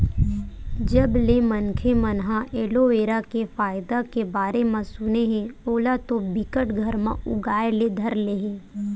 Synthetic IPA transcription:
d͡ʒɐblemənkʰemənɦãʔeːloeːɾakefaːɪd̪akebaːɾemãsʊneɦɛ̃oːlat̪obɪkəʈɡʱəɾmã̰ʊɡaːjeled̪ʱɐɾleɦẽː

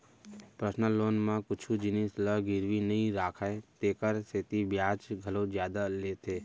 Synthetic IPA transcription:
pɾəsnəloːnmãkʊt͡ʃʰud͡ʒɪnisləɡɪɾʋinɐɦĩɾaːkʰaːet̪eːkəɾseːt̪ibjaːt͡ʃɡʱəlõd͡ʒjaːd̪aleːt̪ʰeː

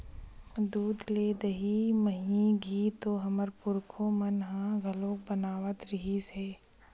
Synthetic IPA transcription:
d̪uːd̪leːd̪əɦiməɦĩɡʱiːt̪oːɦɐməɾpʊɾkʰomənɦãɡʱɐlõːkbənaːʋət̪ɾɪɦiseː

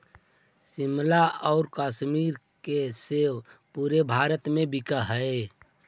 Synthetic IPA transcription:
simlaɔʊɾkaːʃmiːɾ | keseːpuːɾebʱaːɾət̪mẽbɪkəɦəe

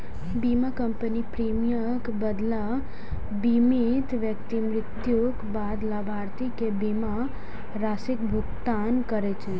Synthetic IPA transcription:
bimakəmpənipɾimijə | kbəd̪la | bimit̪ʋjəkt̪imɾɪt̪jukbad̪labʱaɾt̪ikebima | ɾasik̚bʱʊkt̪ankəɾɛt͡ʃʰe

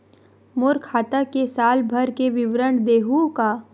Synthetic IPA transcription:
moɾkʰaːt̪akesaːlbʱəɾkeʋɪʋɾəɳd̪eːɦũka

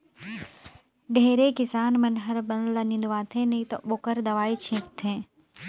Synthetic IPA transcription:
ɖʱeːɾekɪsaːnmɐnɦɐɾbɐnlɐnĩːnd̪ʋaːt̪ʰẽnɐĩt̪ɐ̰ɓoːkəɾd̪ɐʋaːit͡ɕʰĩːkt̪ʰẽː

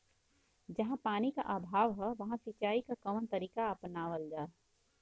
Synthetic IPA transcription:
d͡ʒɐɦãpaːnika̰ʔabʱaːʋɦɛʋɐɦãsit͡ʃaːikakəmnt̪əɾiːkaɐpnaːʋəld͡ʒaːe

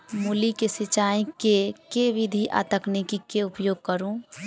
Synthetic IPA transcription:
mulikesɪt͡ʃaĩkekeʋid̪ʱiʔa̰ːt̪əknikikeupjoːɡ̚kəɾũ

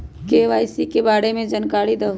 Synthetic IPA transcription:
keːʋaːjsikebaːɽemẽd͡ʒənkaːɽid̪əɦ

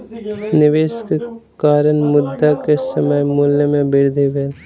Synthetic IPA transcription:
nɪʋeːʃkekaːɾənmʊd̪ːakesəməjmuːljəmẽbɪɾd̪ʱeʋeːl

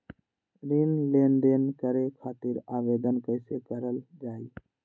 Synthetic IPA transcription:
ɾinlenɖenkəɾekʰaːt̪iɾaːʋeːd̪ənkəɪsekəɾəld͡ʒaːi

